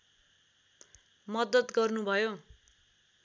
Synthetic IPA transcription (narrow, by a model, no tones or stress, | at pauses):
mʌd̪ʌt̪ɡʌrnubʱʌjo